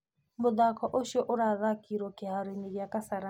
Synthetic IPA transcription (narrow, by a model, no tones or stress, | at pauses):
mʊðakʰɔʔʊʃɔʔʊɾaðakiɾɔkɪɦaɾiniɣjakasaɾa